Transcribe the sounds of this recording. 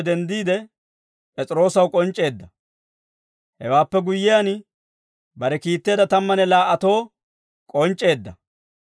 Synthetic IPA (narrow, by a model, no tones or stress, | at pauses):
d̪ɛnd̪iːd̪ɛ | pʼɛt͡sʼɪɾo̞ːsɐwkʼɔnt͡ʃʼːe̞ːd̪ːɐ | hɛ̰waːpːɛɡʊjːɪjan | bɐɾɛkiːt̪ːe̞ːd̪ɐt̪ɐmːɐnɛlaːʔɐt̪o̞ː | kʼɔnt͡ʃʼːe̞ːd̪ːɐ